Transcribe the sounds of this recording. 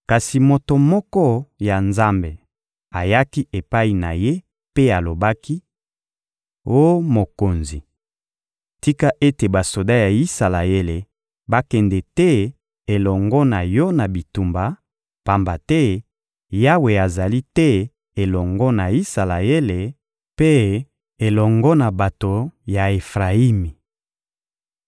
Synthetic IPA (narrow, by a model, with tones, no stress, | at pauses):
ka˨si˨mo˨to˨mɔ˦kɔ˦ja˨nza˦mbe˨ | a˨ja˦ki˦e˨pa˦i˨na̰˨je˦ | pe˦a˨lo˨ba˦ki˦ | o˦mo˨ko˨nzi˨ | ti˦ka˦ʔe˦te˨ba˨so˨da˦ja˨i˦sa˨la˨e˦le˨ | ba˦kɛ˨ndɛ˨tɛ˦ | e˨lɔ˨ŋɡɔ˦na˨jɔ˦na˨bi˨tu˨mba˨ | pa˨mba˨tɛ˦ | ja˦we˨a˨za˨li˦tɛ˦ | e˨lɔ˨ŋɡɔ˦na˨i˦sa˨la˨e˦le˨ | pe˦ | e˨lɔ˨ŋɡɔ˦na˨ba˨to˨ja˨e˨fʁa˨i˦mi˨